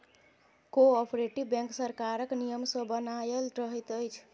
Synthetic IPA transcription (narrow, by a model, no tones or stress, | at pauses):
koɔpɾeʈibbɛ̃ŋksəɾkaɾəknijəmsə̃bənajəlɾəɦɛt̪əjt͡ʃʰ